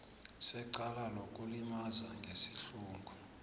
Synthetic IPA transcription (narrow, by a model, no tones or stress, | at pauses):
sɛǀalalokʼulimazaŋɡʱesi̥ɬuːŋɡʱu